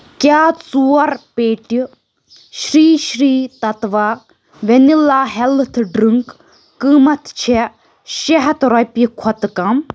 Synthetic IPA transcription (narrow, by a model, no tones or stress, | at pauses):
kʲaːt͡suːɐɾpeːʈi | ʃɾiːʃɾiːt̪ɐt̪ʋaː | ʋenilaːɦɛlt̪ʰɖɾɨŋkː | ɨːmɐt̪ʰt͡ʃʰe | ʃeɦɐt̪ɾɐpikʰɔt̪kam